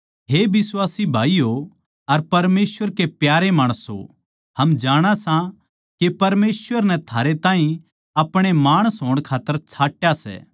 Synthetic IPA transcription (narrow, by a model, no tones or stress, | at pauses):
ɦebɪswaːsibʱaːijo | ɐɾpɐɾmeːsʋəɾkepjaːɾemaːɽ̃əsɦo̰ | ɦɐmd͡ʒaːɽ̃asã | kepɐɾmeːsʋəɾnɛt̪ʰaːɾet̪aːɦĩ | ɐpɽ̃emaːɽ̃əsɦoːɽ̃kʰaːt̪ːəɾt͡ʃʰaːʈːjasɛ̰ː